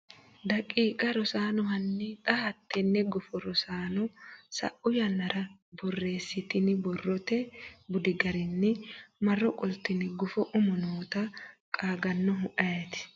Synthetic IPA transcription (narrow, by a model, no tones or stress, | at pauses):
d̪ɐkʼiːkʼɐɾɔsaːnɔɦɐnːɛt̪ʼɐhɐt̪ːɛnːɛɡɔfɔɾɔsaːnɔsɐ̰ʔʊjɐnːɐɾɐbɔrːe̞ːsːɪt̪ɪnɪbɔrːɔt̪ɛbʊd̪ɪɡɐɾɪnːɛmɐrːɔkʼɔlt̪ːɪnɪɡɔfɔʔʊmɔnoːt̪ɐkʼaːɡɐnːɔɦʊʔɐjɐt̪ɪ̥